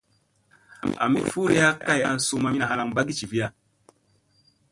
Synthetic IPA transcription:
a̰˨mi˨fu˦ɾe˦a˦ka˦˨a˨n̩˦su˦ma˦mi˦a˨ha˧la˨ŋba˦ɡi˦t͡ʃi˨vi˦a˦

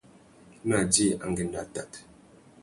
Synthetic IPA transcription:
m˦a˨di˦˨a̰˨ŋɡe˨n˦da˨ta˨t

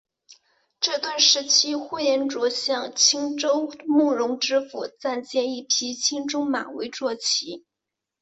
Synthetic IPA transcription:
ʈ͡ʂɤ˥˧t̪wa˥˩nʂɻ̩˧˥t͡ɕʰi˥xwu˥˩jɛ˧˥nʈ͡ʂwɔ˧˥ɕjɑ˥˩ŋt͡ɕʰi˥ŋʈ͡ʂo˥ʊmu˥˩ɻʊ˧˥ŋʈ͡ʂɻ̩˥fu˨˩t͡sa˥˩nt͡ɕjɛ˥˧ni˥˩pʰi˥t͡ɕʰi˥ŋʈ͡ʂʊ˥ŋma̰˨˩nwe˧˥ɪʈ͡ʂwɔ˥˩t͡ɕʰi˧˥

